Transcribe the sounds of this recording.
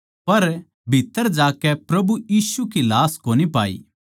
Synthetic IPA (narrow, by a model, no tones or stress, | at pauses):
pɐɾ | bʱit̪ːəɾd͡ʒaːkɛpɾɐbujiːsukilaːskoːnipaːḭː